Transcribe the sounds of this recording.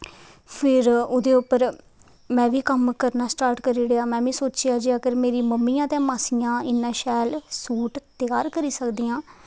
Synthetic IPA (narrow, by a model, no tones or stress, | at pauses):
pʰɪɾʊd̪eːʊpːəɾ | mɛ̃ːʋiːkəmkəɾnaːsʈaːɾʈkəɾiːɽeːaːmɛ̃ːʋĩːsoːt͡ʃɪjaːd͡ʒiːəɡəɾmeːɾiːməmːiːãːt̪ɛ̃ːmaːsiːjãːɪnːãːʃɛːlsuːʈt̪ɪjaːɾkəɾiːsəkd̪iːjãː